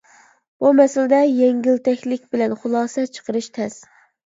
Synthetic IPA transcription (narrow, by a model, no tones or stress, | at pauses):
bumɛsɪlɪd̪ɛjɛŋɡʲilt̪ʰɛkʲlɪkʲbɪlɛnχʊlˠɑːsɛt͡ʃʰə̥qəɾɨʃt̪ʰɛs